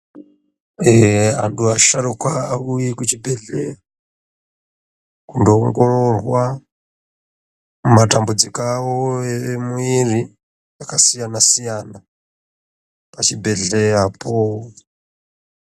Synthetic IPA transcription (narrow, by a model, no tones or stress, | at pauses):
eanduaʃaɾukwaːujikut͡ʃibʱeɮea | kundoŋɡororwa | mumatambud͡zikaoemuiri | akasijanasijana | pat͡ʃibʱe̞ɮeapʰo